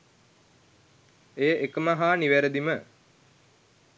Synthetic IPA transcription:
ejʔekəmaɦaːniʋæɾəd̪imə

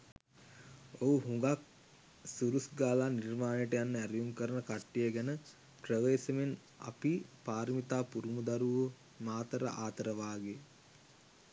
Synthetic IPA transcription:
oɦuɦuŋɡak̚ | suɾusɡaːlaːnirmaːnejəʈəjanːəæɾijuŋkəɾənəkaʈːijəɡænə | prəʋeːsəmen | a̰pipaːɾmit̪aːpuɾumud̪aɾuʋə | maːt̪əɾə̰ʔaːt̪əɾəʋaːɡe

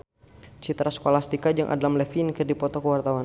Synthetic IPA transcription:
t͡ʃit̪ɾaskolast̪ikad͡ʒaŋʔa̰dalamlɛfinkərdipɔt̪ɔkəwart̪awan

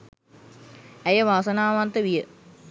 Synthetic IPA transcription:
æjəʋaːsɐnaːʋant̪əʋijə

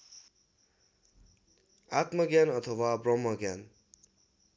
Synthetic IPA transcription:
at̪mʌɡjanʌt̪ʰʌwabrʌmːʌɡjan

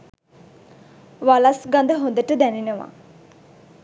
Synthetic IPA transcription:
ʋalasɡand̪əɦond̪əʈəd̪æninəʋa̰

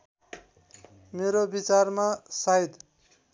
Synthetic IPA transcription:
meɾobit͡sarmasajd̪

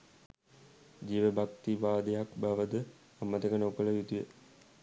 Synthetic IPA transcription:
d͡ʒiːʋəbak̚t̪ibaːd̪ejakbaʋəd̪ə | ɐmːət̪əkənəukələjit̪ujḛ

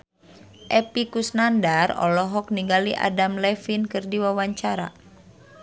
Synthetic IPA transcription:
ʔɛpikusnandarɔ̰lɔɦɔk̚niŋɡaliʔa̰damlɛfinkɨrdiwawaɲt͡ʃaɾa̰

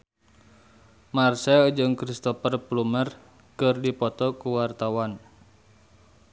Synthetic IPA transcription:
marsɛld͡ʒɨŋkɾist̪ɔpərplumər | kɨrdipɔt̪ɔkuwart̪awan

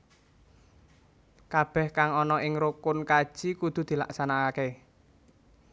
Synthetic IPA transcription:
kab̥ɛhkaŋɔnɔʔɪŋɾukʊnkad̥ʒ̥i̤kud̪̥ṳd̪̥i̤la̰ksanakake

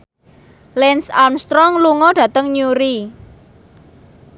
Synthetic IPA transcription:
lɛnsamst̪ɾɔŋluŋɔɖ̥ä̤t̪əŋɲuɾi

